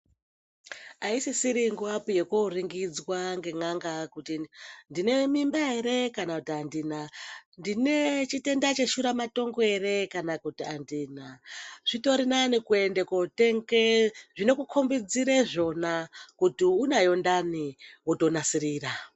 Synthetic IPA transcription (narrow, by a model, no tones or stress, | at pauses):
aisisiɾiŋɡuapuje̞koriŋɡid͡zwaŋɡe̞ŋaŋɡakutindine̞mimbae̞ɾe̞kanakutiandinandine̞t͡ʃite̞ndat͡ʃe̞ʃuɾamato̞ŋɡo̞e̞ɾe̞kanakutiandiːnaʐ̥ito̞ɾinanikue̞ndekote̞ŋɡeʐino̞kukʰombid͡ziɾeʐo̞nakutiunajo̞ndaniwuto̞nasiɾiːra